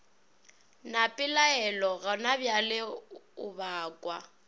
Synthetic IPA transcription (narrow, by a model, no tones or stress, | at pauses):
napʼɪlaɛlɔɣanabjalɪʊbaːkʼwa̰